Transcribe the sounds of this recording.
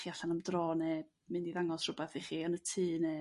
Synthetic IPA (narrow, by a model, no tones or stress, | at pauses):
χiaɬanamdroːnɛ | mɨndiðaŋɔsr̥ʊbɛθiχiːənətʰɨːnɛ